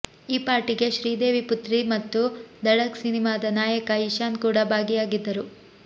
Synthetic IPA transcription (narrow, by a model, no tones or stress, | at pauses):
iːpaːɾʈiɡe̞ʃɾiːd̪e̞ːʋiput̪ɾimɐt̪ːud̪ɐɽɐksinimaːd̪ɐnaːjɐkɐiʃaːnkuːɽɐbʱaːɡijaːɡid̪ːɐɾu